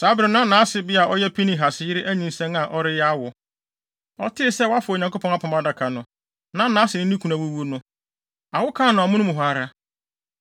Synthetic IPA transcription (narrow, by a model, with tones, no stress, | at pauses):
sa˨˦bɪ˨ɾɪ˨nã˦nãː˨˦sɪ˨bɪ˦a˨ʔɔ˦jɛ˦pʰi˦nĩ˨ɦa˨sɪ˦jɪ˦ɾɪ˦ʔæ˦ɲĩ˨n˦sɛ̃˦na˨ʔɔ˦ɾɪ˦jɛ˦a˦wʊ˨ | ɔ̰˦tʰɪ˦ɪ˨sɛ˦wa˦fʊ˨ɲã˨ko˦pʰɔ̃˨˦ŋ˦a˦pʰɔ̃˨ma˦da˨kʰa˨nʊ̃˨ | nã˦nãː˨˦sɪ˨nɪ̃˦ĩ˦kʰu˨nã˨wo˦wu˦o˦nʊ̃˦ | a˨wʊ˦kʰã˦˨nʊ̃˨a˨mʊ̃˦nʊ̃˦mʊ̃˨ɦa˨˦˨ɾa˦